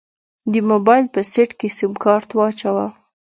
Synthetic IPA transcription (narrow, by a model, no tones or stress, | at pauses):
d̪əmobɑjlpəseʈkesimkɑɾt̪wɑt͡ʃawa